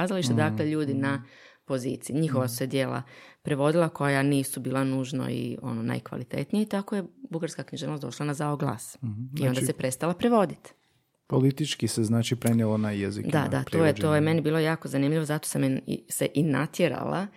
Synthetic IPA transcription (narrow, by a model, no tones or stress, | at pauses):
azaliʃt̪ad̪akleʎuːd̪ina | po̞zḭːt̪siiɲixo̞ʋasu̥sed̪jeːla̰pɾe̞ʋo̞d̪ilˠako̞janiːsubiːlˠanuːʒno̰ḭo̞̰nona̰jkʋa̰lit̪ḛt̪nijet̪akoje̞buɡaɾskakɲiʒeʋnosd̪o̞ʃlanazaoɡlˠa̰ːsiod̪asepɾest̪alapɾeʋo̞d̪it̪ | polit̪it͡ʃkiseznaːt͡ʃipɾenjelˠonajezid̪a̰d̪aoːjet̪oːjeme̞nibiːlojaːko̞zanimʎiʋo̞zat̪o̥sam̰seʔina̰t̪jeɾa̰lˠa̰